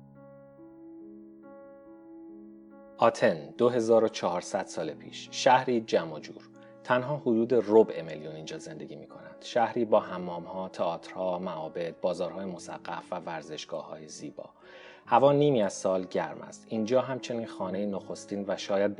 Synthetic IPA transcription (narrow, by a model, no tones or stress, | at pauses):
ʔɒːt̪ʰe̞nd̪̥oɦe̞zɒːɾo̞t͡ʃʰɒɦɒːɾsæd̪̥sɒːlepʰḭːʃʃæhɾiːd͡ʒæmo̞d͡ʒṵːɾ | t̪ʰænɦɒːhod̪uːd̪e̞ro̞bʔe̞meljuniːnd͡ʒɒːze̞nd̪e̞̰ɟiːmiːkʰo̞nænd̪̥ʃæhɾiːbɒːɦæmːɒːmhɒːt̪ʰeɒːt̪ʰɾhɒːmæʔɒːbe̞d̪̚bɒːzɒːɾhɒːjemosæ̰ɣ̥ːæ̰fvævæɾze̞ʃɡ̥ɒːhɒ̰ːjeziːbɒ̰ː | hævɒːniːmiæzsɒːlɟæɾmʔæ̰st̪iːnd͡ʒɒːɦæmt͡ʃʰe̞niːnxɒːne̞jinoxo̞st̪iːnvæʃɒːjæd̪̚